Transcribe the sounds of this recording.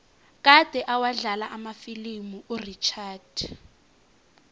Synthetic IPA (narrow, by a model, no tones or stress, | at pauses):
k̬ʼad̥ʱɛʔawaɮalaʔamafilimuʔurit͡ʃʰaːd̥